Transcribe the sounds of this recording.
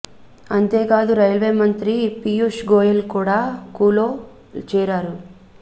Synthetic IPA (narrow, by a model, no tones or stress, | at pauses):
ɐnt̪eːkaːd̪uɾɐjlʋeːmɐnt̪ɾipijuːʂɡoːjɐlkuːɽaːkuːloː | t͡ʃɛːɾaːɾu